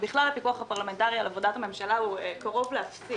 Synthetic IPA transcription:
biχlalapikuaχhapaʁlame̞ntaʁialavodatame̞mʃalauekaʁo̞vleafsi

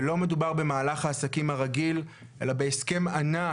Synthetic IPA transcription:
lo̞me̞dubaʁbe̞maːlaχhaːsakimhaʁaɡil | ʔe̞̰labe̞ːske̞mana

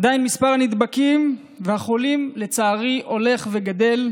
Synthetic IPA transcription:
d̪ainmispaʁanid̪bakim | vehaχo̞limle̞t͡saːʁiʔo̞le̞χve̞ɡad̪e̞l

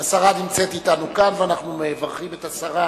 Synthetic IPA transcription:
asaʁanimt͡set̪itanukanveanaχnumeːvaʁχimetasaʁa

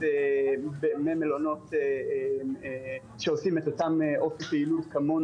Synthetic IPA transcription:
ebememelono̞te | ʃeosimet̪otamʔofipeilutkamon

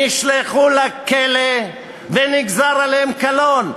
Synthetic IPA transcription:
iʃleχulakele | veniɡzaʁaleemkalon

